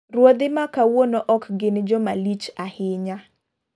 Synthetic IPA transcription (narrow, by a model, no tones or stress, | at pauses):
rwod̪ɪmakawonoʔɔkɡɪnd͡ʒɔmalit͡ʃahɪɲa